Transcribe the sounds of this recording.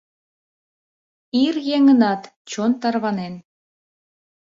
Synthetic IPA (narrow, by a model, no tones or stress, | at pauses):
irjeŋənɑt̪t͡ɕont̪ɑrβɑnen